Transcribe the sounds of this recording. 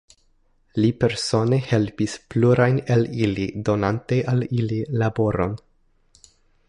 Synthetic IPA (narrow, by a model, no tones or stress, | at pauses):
lipe̞ɾso̞ne̞he̞lpispluɾajnelilido̞nantejʔalililabo̞ɾo̞̰n